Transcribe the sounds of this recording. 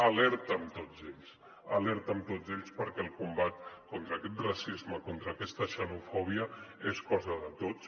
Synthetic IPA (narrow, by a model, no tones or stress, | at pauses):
əlɛɾt̪əːmt̪od͡zeʎs | əlɛɾt̪əmt̪od͡zeʎspəɾkɛlˠkumbat̪kont̪ɾəːkɛt̪rasizməkont̪ɾəːkɛst̪əʃənufɔβ̞iəeskɔzəðət̪ots